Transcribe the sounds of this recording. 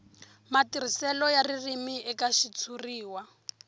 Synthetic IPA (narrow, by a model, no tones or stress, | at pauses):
matirisɛlɔjaririmiɛkaʃit͡sʰuriːwa